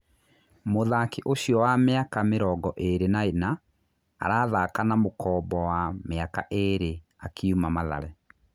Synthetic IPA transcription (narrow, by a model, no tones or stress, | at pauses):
moðakeʔoɕjɔwameakameɾɔɡɔʔeɾenaena̰ː | ɾaːðakanamokɔːbɔwameaka̰ʔeɾe | akʰeumamaða̰ɾɛ